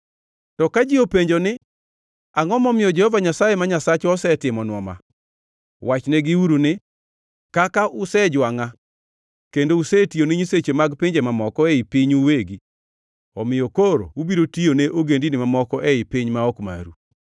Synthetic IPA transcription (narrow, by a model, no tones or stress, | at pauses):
tɔkad͡ʒɪopeɲd͡ʒonɪ | aŋɔmɔmɪjɔd͡ʒɛhɔvaɲasajemaɲasat͡ʃɔɔsɛtɪmɔnwɔma̰ | wat͡ʃnɛɡɪuɾunɪ | kakaʔʊsɛd͡ʒwaŋa | kendousetijonɪɲiset͡ʃemaɡpɪɲd͡ʒemamɔkɔɛipiɲuweɡi | ɔmɪjokoɾo̰ubiɾotioneʔoɡendinɪmamɔkɔʔɛɪpiɲmaɔkma̰ɾṵ